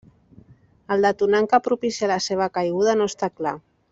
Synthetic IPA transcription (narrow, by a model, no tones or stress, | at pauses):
əlˠd̪at̪unaŋkapɾupisialaseβ̞akajɣuð̞anoəst̪akla